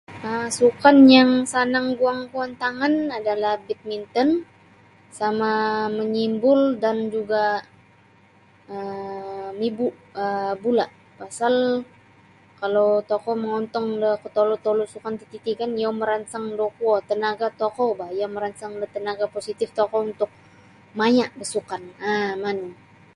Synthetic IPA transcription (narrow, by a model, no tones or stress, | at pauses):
əsukanjaŋsanaŋɡuaŋɡuant̪aŋanadalahbit̪̚mint̪ɔn | samaməɲimbʊldand͡ʒuɡa | ə | mibuʔəbulaʔ | pasal | kalowt̪ɔkɔməŋɔnt̪ɔŋdəkət̪olut̪olusukant̪it̪it̪ikanjawməɾansaŋdokuɔt̪ənaɡat̪ɔkɔbajaməɾansaŋdət̪ənaɡaposit̪ɪft̪ɔkɔunt̪ʊk̚ | maɲaʔdəsukanamanə